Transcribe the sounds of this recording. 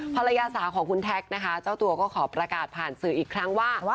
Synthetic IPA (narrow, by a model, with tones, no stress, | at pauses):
pʰa˧ɾa˧jaː˧saː˩˦kʰɔː˩˦ŋkʰu˧nt̪ʰɛ˦˥k̚na˦˥kʰa˦˥t͡ɕaː˥˩wt̪u˧ɐkɔː˥˩kʰɔː˩˦pɾa˧kaː˨˩t̪̚pʰaː˨˩nsɯː˩ʔiː˨˩kʰɾa˦˥ŋwaː˥˩